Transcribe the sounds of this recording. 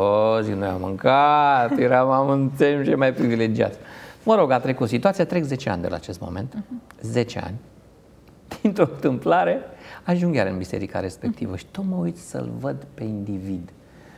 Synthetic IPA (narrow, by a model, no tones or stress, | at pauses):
oziknuja̰mːɨ̰ŋkat̪jeɾamamɨntsemt͡ʃejmajpɾivile̞d͡ʒia̰t̪sʲməɾo̞ɡat̪ɾe̞kut̪sit̪uat̪sijat̪ɾe̞kze̞t͡ʃea̰nʲd̪ela̰ːt͡ʃe̞st̪mo̞̰me̞̰nt̪ze̞t͡ʃea̰nʲ | d̪̥int̪ɾo̞ɨnt̪ɨmplaɾe̞aʒuŋɡjaɾɨnbise̞̰ɾika̰ɾe̞spe̞k̚t̪ḭvəʃi̥t̪ot̪məujt̪sə̰lvəd̪pe̞ind̪ivid̪